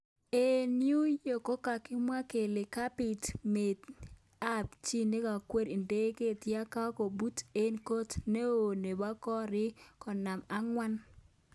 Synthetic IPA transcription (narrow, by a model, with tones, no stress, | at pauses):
e˦nju˦jo˨ko˦ka˨kɪ˦mwa˦ke˨le˨ka˦pɪ˨tme˨d | a˦pt͡ʃi˦ne˦ka˨kwe˦ɾi˨nde˦ke˦˨tja˦ka˦ko˨bu˦te˦nko˦tne˦o˨ne˨ba˦kɔ˦ɾɪ˦kɔ˨na˨ma˦ŋwa˦n